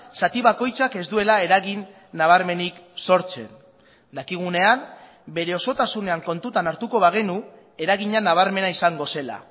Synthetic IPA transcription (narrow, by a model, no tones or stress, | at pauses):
sat̪iβako̞jt͡sake̞zd̪ue̞lae̞ɾaɣinː | aβ̞aɾme̞nikso̞ɾt͡se̞̰n | d̪akiɣ̞une̞am | be̞ɾe̞o̞so̞t̪asune̞aŋko̞nt̪ut̪anaɾt̪uko̞βaɣ̞e̞nu | e̞ɾaɣiɲanaβ̞aɾme̞naisaŋɡo̞se̞la̰